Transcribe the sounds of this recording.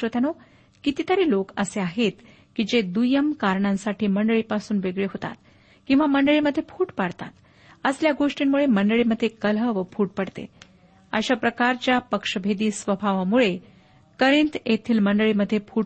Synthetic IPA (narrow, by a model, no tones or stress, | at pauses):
ət̪jano | kit̪it̪əɾiːlokəseaɦet̪ | kid͡ʑed̪ujəmkaɾɳãnsaʈiːməɳɖəɭiːpasuːnʋeɡɭeɦot̪a̰t̪̚ | kĩw̃ʋaməɳɖəɭiməd̪ʱjefʰuːʈpaɽt̪a̰t̪ | əsljaɡoʂʈiːmmːuɭeməɳɖəɭiməd̪ʱːjekələʋəfʰuːʈ̚pəɽt̪ḛ | ə̰ɕapɾəkaɾt͡ɕjapəkʂəbʱed̪iːsʋəbʱaʋamuɭe | kəɾĩnt̪et̪ʰiːlməɳɖəɭiməd̪ʱːjepʰuː